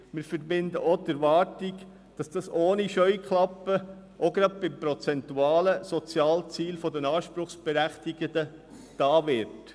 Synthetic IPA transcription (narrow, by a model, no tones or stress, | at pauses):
mɪːɾfɛɾbɪnd̪əʔotɛɾʋɑːɾtiɡ | d̥ɑsd̥ɑsoːniʃœʏkχlɑpːə | ʔoɡɾɑd̪̚b̥ɪmpɾɔt͡sɛntuɑːləsɔt͡sjɑːlt͡siːlfɔd̪ənɑːʃpɾʊχsb̥ɛɾæχt̪iɡədə | d̥ɑːʋɪɾt